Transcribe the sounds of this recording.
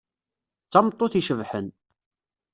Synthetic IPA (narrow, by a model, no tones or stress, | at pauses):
t͡sːɑmt̪ˤːoθiʃəvħən